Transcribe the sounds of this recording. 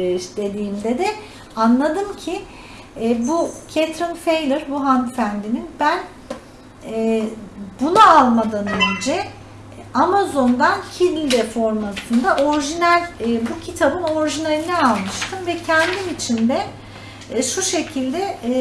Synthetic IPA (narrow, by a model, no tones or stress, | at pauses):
d̪e̞d̪iːmd̪ɛd̪ɛ | anlˠad̪ɯmcʰi | bucʰet̪ɾɯnfejlʲˠɯɾbuɦanfænd̪ininbæn | bunualˠmad̪anønd͡ʒɛ | amazo̞nd̪ancʰillʲid̪ɛfo̞ɾmasʰɯnd̪aʔo̞ɾiʒinælʲːbucʰit̪ʰabɯno̞ɾiʒinelʲinɛalˠmɯʃt̪ʰɯmvɛcʰɛnd̪imit͡ʃʰind̪ɛ | ʃuʃe̞cʰilʲd̪ɛ